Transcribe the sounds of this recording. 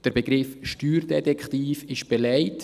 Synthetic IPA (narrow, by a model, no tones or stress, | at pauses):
d̥əɾbəɡɾɪfʃtyːɾdɛtɛkχtiːfɪʃb̥ɛlɛɪt